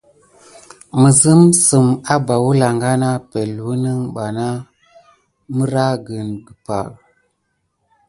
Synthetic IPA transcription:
mə˨zə˦msə˨ma˦ba˨wu˦la˨ŋɡa˦na˦pe˨lu˦nə˦ŋɓa˨na˦ | mə˦ɾa˦ɡə˨nɡə˨pa̰˨

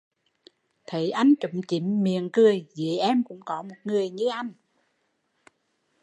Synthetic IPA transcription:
t̪ʰə˨˦jʔa˧jŋ̟t͡ɕə˨˦ŋ͡mt͡ɕi˨˩˦mmi˨˩ənkɨ˨˩əjvi˨˦ʔɛ˧mkʊ̰˧˥ŋ͡mkɔ˨˦mo˨˩t̚ŋɨ˨˩əjɲɨ˧ʔa˧jŋ̟

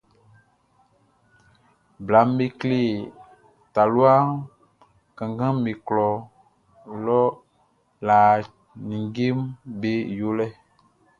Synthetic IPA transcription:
bla˨˦m˦be˦kle˦˨ | t̪a˨lu˦a˦ | kã˨ŋɡã˦mẽ˨klɔ˨ | lɔ˦ | la˨ | nĩ˨ŋɡe˦mbe˦jo˦lɛ˦

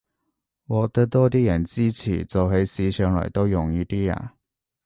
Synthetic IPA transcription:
wɔː˨˧k̚t̪ɐ˥t̪ɔː˥t̪̬iː˥jɐ˨˩nt͡siː˥t͡sʰḭː˨˩t͡so˨wɦe˨˥jsiː˨˥t͡ʃʰœː˨˥ŋlɔ̰˨˩jt̪o˥wjʊ˨˩ŋjiː˥t̪iː˥a̰ː˧˩

